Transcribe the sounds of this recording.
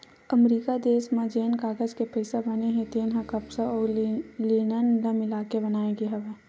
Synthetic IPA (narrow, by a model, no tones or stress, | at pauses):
əmɾiːkad̪eːsmẽd͡ʒeːnkaːɡəd͡ʒkepəɪsebɐneɦẽt̪eːnɦãkɐpsaɔːliːnənləmɪlaːkebɐnaːẽɡeɦɐʋeː